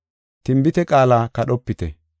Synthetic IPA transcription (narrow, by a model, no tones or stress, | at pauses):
t̪ɪmbɪt̪ɛkʼaːlaːkɐɗɔpːɪt̪ɛ